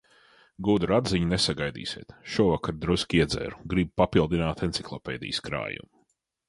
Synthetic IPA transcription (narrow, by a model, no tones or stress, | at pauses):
ɡuːd̪uɾad̪ziɲunesaɡajd̪ḭːsʲiɛːt̪ʃuɔvakaɾd̪ɾuskʲiɛd̪zɛ̰ːɾuɡɾibpapilˠd̪inaːt̪entsiklˠɔpɛ̰ːd̪ḭjskɾa̰ːjṵm